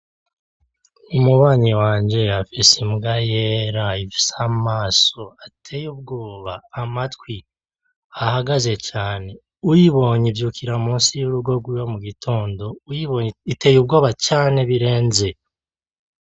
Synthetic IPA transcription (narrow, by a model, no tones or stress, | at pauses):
umuβaːɲiwaːɲɟe̞afisimɡajeɾaifi̥samaːso̞atʰejub̚ɡo̞ːβaːmatwi | ahaɡaze̞t͡ʃaːne̞ | ujiβo̞ɲivjukʰiɾamuːnsijuɾuɡo̞ɡwijo̞muɡitʰo̞ːndo̞jiβitejubɡo̞ːβat͡ʃaːne̞βiɾe̞ːnze̞